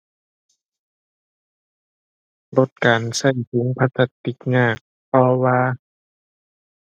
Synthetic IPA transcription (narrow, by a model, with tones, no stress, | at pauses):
bo˧˩t̪̚kaː˨˩nsa˧˩jpʰu˨˦ŋpʰa˧˥t̪a˧t̪ːi˧˩k̚ŋaː˧˥˩k̚ | pɔː˧waː˧